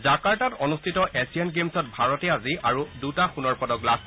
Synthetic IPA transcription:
zakaɹtatɔnustʰitɔʔesiɛnɡemsɔt̚bʱaɹɔtɛaziaɹudutaxunɔɹpɔdɔɡlas

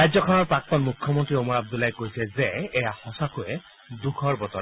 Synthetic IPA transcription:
ɹajzɔkʰɔnɔɹpɹak̚t̪ɔnmukʰːjɔmɔntɹiomɔɹab̚d̪ulajkojsɛzɛːjahɔsakʊjɛ | dukʰɔɹbɔt̪ɔ

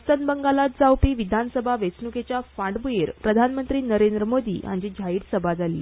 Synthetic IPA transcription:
sənbəŋɡalat̪̚d͡zawpiːʋid̪ʱansəbʱaʋesnuket͡ɕjafãʈɖbujeɾpɾəd̪ʱanmənt̪ɾiːnəɾend̪ɾəmod̪ʱḭːa̰ɲd͡ʑid͡ʑʱaiːɽsəbʱad͡zʱalḭː

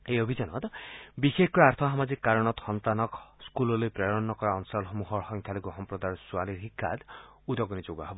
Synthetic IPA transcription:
ejɔbʱid͡ʒanɔt̪bixekʰɔaɾt̪ʰɔɦamad͡ʒikːaɾɔɽ̃ɔt̪xɔnt̪anɔkskulɔlepɾɔɔnːɔkɔɾaɔnsɔlɦɔmuɦɔɾxɔŋkʰjaloɡuɦɔmpɾɔd̪aɾɔsualiɾɦikʰːa̰d̪ud̪ɔɡɔnid͡ʒoɡaɦebɔ

